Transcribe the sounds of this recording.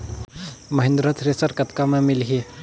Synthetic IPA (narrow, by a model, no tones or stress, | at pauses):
mɐɦɪ̃nd̪ɾət̪ʰɾesəɾkət̪kamẽmɪlɦi